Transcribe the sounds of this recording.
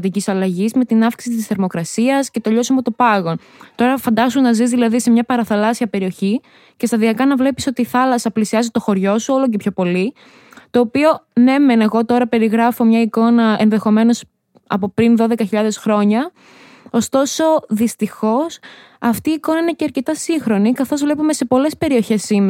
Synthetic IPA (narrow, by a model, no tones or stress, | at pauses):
t̪icisɐlɐʝizmet̪inɐfksi̥isit̪isθe̞ɾmo̞kɾɐsiɐsce̞t̪o̞ʎo̞siɐmot̪opɐɣo̞n | t̪o̞ɾɐfɐnd̪ɐsunnɐzizðilɐðise̞mɲɐpɐɾɐθɐlɐsiɐpe̞ɾio̞çi | ce̞st̪ɐðiɐkɐnɐvle̞piso̞t̪iːθɐlɐsɐplisiɐzit̪o̞xo̞ɾʝo̞suo̞loc̬epço̞po̞li | t̪o̞ːpio̞ne̞menɐeɣo̞t̪o̞ɾɐpe̞ɾiɣɾɐfo̞mɲɐiko̞nɐenðe̞xo̞me̞no̞s | ɐ̰po̞pɾinðo̞ðe̞kɐçiʎɐðe̞sxɾo̞ɲɐ | ost̪o̞so̞ðist̪ixo̞s | ɐft̪iːkonɐineceɐɾce̞t̪ɐsiŋxɾo̞nikɐθo̞zvle̞pume̞se̞po̞le̞spe̞ɾio̞çe̞sːime